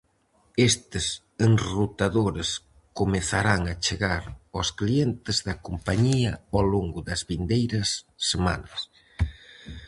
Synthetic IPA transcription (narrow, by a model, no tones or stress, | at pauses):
est̪ɪs | enrut̪aðoɾes | komeθaɾaŋɐt͡ʃeɣaɾosklient̪ɪzðɐkompaɲiɐaloŋɡʊðɐzβind̪ejɾɐsː | ema̰nɐs